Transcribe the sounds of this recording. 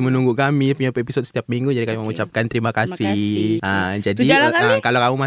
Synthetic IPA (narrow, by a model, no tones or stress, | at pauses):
mənuŋɡukamipuɲapuepisɔt̪̚sə̥t̪iap̚miŋɡud͡ʒadikamiməŋut͡ʃap̚kant̪əɾimakasihʔəmd͡ʒadiaəkalawkamuma